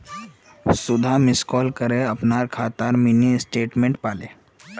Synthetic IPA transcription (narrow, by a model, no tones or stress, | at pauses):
sʊd̪ʱamɪskɔːlkəɾeəpnaːɾkʰaːt̪aːɾminisʈeːʈmẽɳʈpaːleː